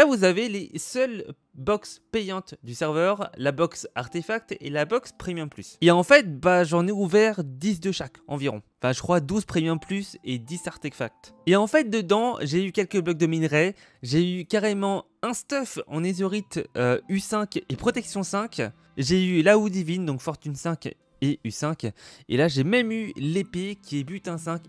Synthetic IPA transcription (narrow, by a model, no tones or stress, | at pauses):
lavuzavelesœl | bɔkspejɑ̃t̪d̪ysɛʁvœʁlabɔksaʁt̪efak̚t̪ḛlabɔkspχimjɛ̃ply̰seɑ̃fɛt̪̚baʒɑ̃nɛuvɛʁd̪is̬d̪əʃakɑ̰̃viʁɔ̰̃ɑ̃fɛ̃ʒəkχwad̪uzpχimjɛ̃plysed̪isaʁt̪ɛkfa̰k̚t̪eɑ̃fɛt̪̚d̪əd̪ɑ̃ʒeykʲɛlkəblɔk̚d̪ɔminʁɛ | ʒeykaʁemɑ̃ | ɛ̃st̪ɔfɑ̰̃nezyʁit̪øysɛ̃kʲepχɔt̪ɛksjɔ̃sɛ̃kʲ | ʒeylaud̪ivind̪ɔ̃kfɔʁt̪ynsɛ̃k | eysɛ̃kʲḛlaʒemɛmylepekʲʰiebyt̪ɛ̃sɛ̃k